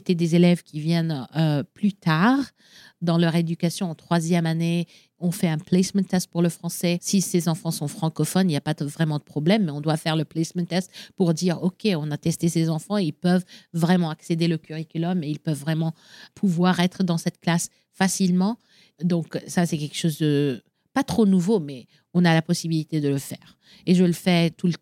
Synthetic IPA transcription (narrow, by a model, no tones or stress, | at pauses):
set̪ɛd̪ezelɛvkʲivjɛnøplyt̪aʁ | d̪ɑ̃lœʁed̪ykasjɔ̃ɑ̃t̪χwazjɛmane | ɔ̃fɛɛ̃plɛsmɛ̃t̪ɛst̪̚puʁləfχɑ̃sɛsisezɑ̃fɑ̃sɔ̃fχɑ̃kɔfɔniljapad̪vʁɛmɑ̃d̪əpχɔblɛmːɛɔ̃d̪wafɛʁləplɛsmɛ̃nt̪ɛst̪puʁd̪iʁɔkʲeɔ̃nat̪ɛst̪esezɑ̃fɑ̃eilpœvːʁɛmɑ̃aksed̪eləkʲyʁikʲylɔmeilpœvːʁɛmɑ̃ | pʰuvwaʁɛt̪χəd̪ɑ̃sɛt̪klas | fasilmɑ̃ | d̪ɔ̃ksasɛkʲɛlkʃozd̪ə | pat̪χonuvomɛ | ɔ̃nalapɔsibilit̪ed̪ələfɛːʁ | eʒələfɛt̪ulə